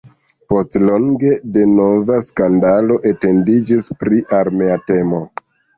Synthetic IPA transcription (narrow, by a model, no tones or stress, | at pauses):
po̞stlo̞ŋɡe̞de̞no̞vaskandalo̞ʔe̞te̞ndid͡ʒispɾiʔaɾme̞ate̞mo̞